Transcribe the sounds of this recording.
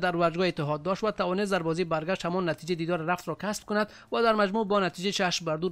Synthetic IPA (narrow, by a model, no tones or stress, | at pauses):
d̪aɾvaɾd͡ʒɡɔet̪ːɪɦɔd̪ːɔʃt̪vat̪avɔnes̬t̪̬d̪aɾbɔzibaɾɡaʃt̪hamɔnːat̪id͡ʒed̪id̪ɔɾɾaft̪ɾɔkʰasb̥̚kʊnad̪ | vad̪aɾmad͡ʒmubɔnat̪id͡ʒet͡ʃʰaʃmbaɾd̪uɾ